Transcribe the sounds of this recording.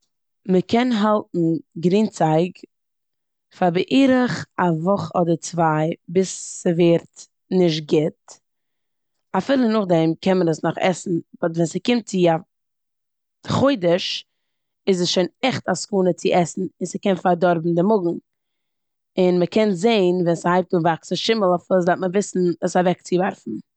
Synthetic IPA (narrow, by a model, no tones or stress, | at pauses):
məkʰɛnɦalˠtn̩ɡɾiːnt͡saɪɡ | faɾbɪʔiːɾəχavɔχɔdəɾt͡svaɪbɪsːəveːɾt | nɪʃ̬t̚ɡɪt | afiːlˠənʊχdɛmkɛnmənəsnɔχɛ̰sn̩vɔtvɛnsəkɪmt̚t͡sɪa | χoɪdəʃ | ɪzəsʃoɪnɛχtaskuːnət͡sɪʔɛsn̩ɪnsəkɛnfaɾdɔɾbm̩dɪmʊɡŋ̩ | ɪnməkɛnzeɪnvɛnsəhaɪp̚tuːvaksəʃɪməlˠafilˠsdatməvɪsn̩əsavɛkt͡sɪvaɾfn̩